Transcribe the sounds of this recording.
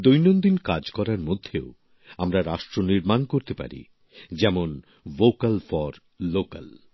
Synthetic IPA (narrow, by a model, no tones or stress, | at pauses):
d̪ojnond̪inkad͡ʑkɔɾaɾmod̪ʱːeo | amɾaɾaʃʈɾoniɾmankoɾt̪epa̰ɾḭ | d͡ʑɛmon | vokalfɔɾː | oka̰l